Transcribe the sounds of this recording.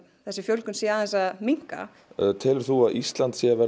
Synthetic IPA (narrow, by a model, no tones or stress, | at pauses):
θɛsːɪfjœlkʏnsɛaðɛnsamiŋ̥ka̰ | t̪ʰɪːlɪɾ̥θuaðist̪lant̪sjɛvɛ